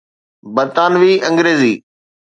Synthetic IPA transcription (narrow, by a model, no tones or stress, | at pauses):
bəɾt̪aːnʋiːʔɐ̃ŋɡɾeːziː